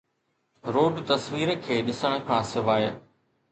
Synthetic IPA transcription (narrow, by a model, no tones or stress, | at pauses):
ɾoːɖt̪ɐsʋiːɾkʰeːɗɪsəɽ̃ə̆kʰãːsɪʋaːj